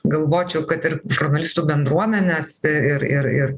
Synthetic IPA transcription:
ɡɐlˠʋoːt͡ʃʲɛʊkɐt̪ɪɾʒʊɾnɐlʲɪst̪uːbʲɛnd̪ɾuɔmʲɛnʲeːsɪɪɾɪ̰ɾɪɾ

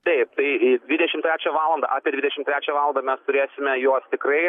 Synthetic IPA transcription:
t̪ɐɪp̚t̪ɐɪdʲʋʲɪd̪ʲɛʃʲɪmt̪ʲɾʲæːt͡ʃʲɛʋɑːlˠɐnd̪ɐ̰ʔɑːpʲeːd̪ʲʋʲɪd̪ʲɛʃʲɪmt̪ɾʲæːt͡ʃʲɛːʋɑːlˠɐnd̪ɐmʲɛst̪ʊɾʲeːsʲɪmʲɛjoɔst̪ʲɪkɾɐɪ

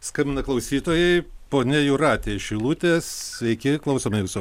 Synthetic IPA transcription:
skɑmʲɪnɐklˠɐʊsʲiːt̪oːjɛɪpoːnʲɛjʊɾɑːt̪ʲeʃʲɪlˠut̪ʲeːssʲʋʲɛɪkʲɪklˠɐʊsoːmʲɐjʊso

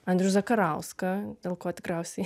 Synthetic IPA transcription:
ɐnʲd̪ʲɾʲʊzɐkɐɾɐʊskɐddʲeːlˠkoːt̪ʲɪ̥kɾʲɛʊsʲɛ

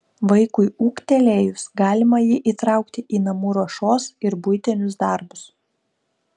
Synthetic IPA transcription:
ʋɐɪkʊɪuːkt̪ʲɛlʲeːjʊsɡɑːlʲɪmɐjɪʔiːt̪ɾɑˑʊkt̪ʲɪʔiːnɐmuːɾɐʃoːsɪɾbʊjt̪ʲɛnʲʊs̬d̪ɑˑɾbʊs

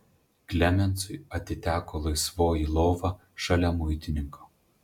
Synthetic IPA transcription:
klʲɛmʲɛnt̪sʊɪɐt̪ʲɪt̪ʲæːkoːlˠɐɪsʋoːjiːˑlˠɔʊʋɑ | ʃɐlʲɛmʊɪt̪ʲɪnʲɪŋko

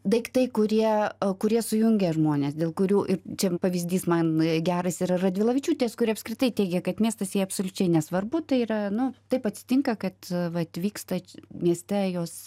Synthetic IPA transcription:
d̪ɐɪkt̪ɐɪkʊɾʲiɛkʊɾʲiɛsʊjʊŋʲɡʲɛʒmoːnʲeːsd̪ʲeːlˠkʊɾʲuːʔɪɾt͡ʃʲɛpɐʋʲizʲd̪ʲiːsmɐnɡʲæːɾɐsʲɪɾrɐd̪ʲʋʲɪlˠɐʋʲɪt͡ʃʲuːt̪ʲeskʊɾʲiɛɐpskɾʲɪt̪ɐɪt̪ʲɛɪɡʲɛkɐt̪mʲiɛst̪ɐsjiɛɐpsolʲʊt͡ʃʲɛɪnʲɛsʋɐrbʊt̪ɐɪiɾɐnʊt̪ɐɪpɐt̪ʲsʲɪ̥t̪ʲɪŋkɐkɐt̪ʋɐt̪ʋʲiːkst̪ɐmʲiɛsʲt̪ʲɛjoːs

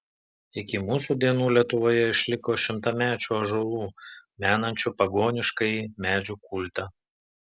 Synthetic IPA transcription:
ɪkʲɪmuːsuːd̪ʲiɛnuːlʲiɛt̪ʊʋoːjɛɪʃʲlʲɪkoːʃʲɪmt̪ɐmʲæːt͡ʃʲuːɐʒolˠuːmʲæːnɐnʲt͡ʃʲupɐɡoːnʲɪʃkɐɪmʲæːd͡ʒʲukʊlʲt̪ɐ

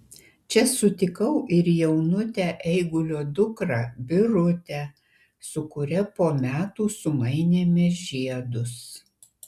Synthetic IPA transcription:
t͡ʃʲɛsʊt̪ʲɪkɐʊʔɪɾjɛʊnʊt̪ʲæːʔɛɪɡʊlʲoːd̪ʊkɾɑbʲɪɾʊt̪ʲæ | sʊkʊɾʲɛpoːmʲæːt̪uːsʊmɐɪnʲeːmʲɛʒʲiɛd̪ʊs

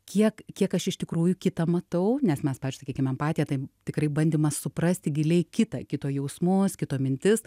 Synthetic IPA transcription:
kʲiɛkkʲiɛkɐʃɪʃt̪ʲɪkɾuːjʊkʲɪt̪ɐmɐt̪ɐʊnʲɛsmʲɛspɑːʋʲɪzd͡ʒʲʊsɐkiɛkʲɪmɛmpɑːt̪ʲijɛt̪ɐɪt̪ʲɪkɾɐɪbɐnʲd̪ʲɪmɐsʊprɐsʲt̪ʲɪɡʲɪlʲɛɪkʲɪt̪ɐkʲɪt̪oːjɛʊsmoskʲɪt̪oːmʲɪnʲt̪ʲɪs

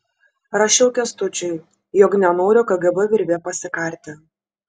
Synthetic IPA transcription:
ɾɐʃʲɛʊkʲɛst̪ʊt͡ʃʲʊɪ | jɔknʲɛnoːɾʲʊkɐɡɐbɛʋʲɪɾʲʋʲeːpɐsʲɪkɐˑɾʲt̪ʲɪ

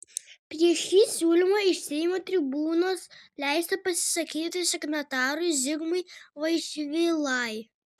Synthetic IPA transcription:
pʲɾʲiɛʃʲiːsʲuːlʲɪmoːɪʃʲsʲɛjmoːt̪ʲɾʲɪbuːnoːslʲæɪsʲt̪ɐpɐsʲɪ̥sɐkʲiːt̪ʲɪsʲɛknɐt̪ɑːɾʊɪʒʲɪɡmɐɪʋɐɪʃʲɪʋʲelˠɑɪ

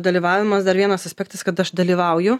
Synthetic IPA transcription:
d̪ɐlʲiːʋɑːʋʲɪmɐsd̪ɐɾʋʲiɛnɐsɐsʲpʲɛk̚t̪ɐskɐt̪ɐʃd̪ɐlʲiːʋɐʊjʊ

